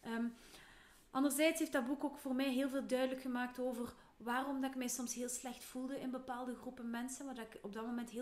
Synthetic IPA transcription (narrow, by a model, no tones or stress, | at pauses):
ʔəm | ʔɑndərzɛjtsɦeːfdɑd̚bukoːkfoːrmɛjɦeːlˠveːlˠdœɥdələkxəmaːk̚toːvər | ʋaːrɔmdɑɪk̚mɛjsɔmsɦeːlˠslɛxtfulˠdəɪnbəpaːlˠdəɣrupənmɛnsənʋaːrdɑɪkɔb̚dɑtmomɛntɦe